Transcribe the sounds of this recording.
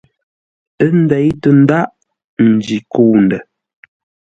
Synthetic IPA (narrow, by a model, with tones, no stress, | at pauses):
ə˦n̩˦dɛ˨˦jtə˨n̩˦da˦ʔ | n̩˨d͡ʒi˨kuː˦˨n˨də˨